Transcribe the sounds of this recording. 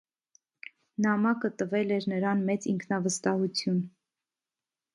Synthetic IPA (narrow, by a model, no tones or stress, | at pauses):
nɑmɑkət̪əvɛlɛɾnəɾɑnmɛt͡siŋkʰnɑvəst̪ɑhut͡sʰjun